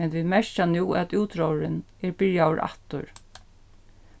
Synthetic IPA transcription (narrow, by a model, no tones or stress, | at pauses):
ɛnʋiːd̪mɛʂt͡ʃanuːæt̪uːt̪ɾɔwɾɪn | ɛɹbɪɹjaɾʔa̰ht̪ʊ̰ɹ